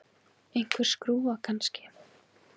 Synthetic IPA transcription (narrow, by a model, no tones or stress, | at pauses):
ejŋ̥kʰvɛɾ̥skɾuːakʰanscɪ̥